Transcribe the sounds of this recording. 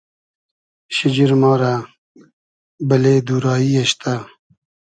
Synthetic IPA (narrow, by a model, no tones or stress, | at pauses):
ɕɪd͡ʑiɾmɑːɾa | bɐleːd̪uːɾɑːiaɕt̪ʰa